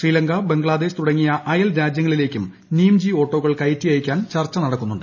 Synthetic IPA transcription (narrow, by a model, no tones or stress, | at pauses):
ʂriːlɐŋɡɐbe̞ŋɡɭaːd̪eɕt̪uɽɐŋːijɐʔɐjɐlɾaːd͡ʑjɐŋːɐɭile̞ːkʲːum | niːmd͡ʑio̞ːʈːo̞ːɣɐɭkɐjtːijɐjikʲːaːnt͡ɕɐrt͡ɕːɐnɐɽɐkːunːuɳɖɨ